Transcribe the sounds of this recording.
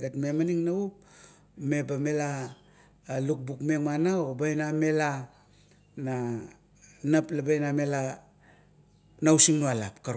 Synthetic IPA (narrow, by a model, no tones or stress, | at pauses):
ɡatmemaniŋnaup̚ | me̞bamela | luk̚bukmeŋmanaobajname̞la | na | naplabajnamela | nawsiŋnualapkaɾ